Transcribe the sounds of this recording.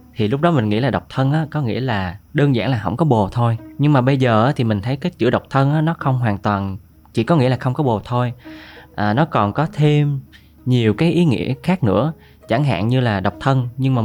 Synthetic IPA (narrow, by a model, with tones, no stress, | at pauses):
t̪ʰi˨˩lʊ˦˥k͡p̚ɗɔ˨˦mï˨˩ŋŋḭ˧˥laː˨˩ɗə˨˩wk͡p̚t̪ʰə˧nʔaː˨˦kɔ˨˦ŋḭ˧˥əlaː˨˩ɗəː˧nza̰ː˧˩ŋlaː˨˩ɦə̰˧˥wŋ͡mkɔ˨˦ɓo˨˩t̪ʰo˧jɲɨ˧ŋmaː˨˩ɓə˧jzəː˨˩ʔaː˨˦t̪ʰi˨˩mï˨˩ŋ̟t̪ʰə˨˦jkaː˨˦jt͡ɕɨ̰˧˥əɗə˨˩wk͡p̚t̪ʰə˧nʔaː˨˦nɔ˨˦xə˧wŋ͡mɦwaː˨˩ŋt̪waː˨˩n | t͡ɕḭ˧˨kɔ˨˦ŋḭ˧˥lːxə˧wŋ͡mkɔ˨˦ɓo˨˩t̪ʰo˧jʔəː˨˩nɔ˨˦kɔ˨˩nkɔ˨˦t̪ʰe˧m | ɲi˨˩əwkaː˨˦jʔi˨˦ŋḭ˧˥əxaː˦˥k̚nɨ̰˧˥ə | t͡ɕa˧˩ŋɦa̰ː˧˨ŋɲɨ˧laː˨˩ɗə˨˩wk͡p̚t̪ʰə˧nɲɨ˧ŋmaː˨˩